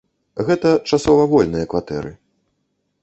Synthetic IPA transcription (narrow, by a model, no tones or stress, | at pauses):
ɣɛt̪ɐt͡ʂasɔvɐvɔlʲnɨjɐkvat̪ɛ̰ɾɨ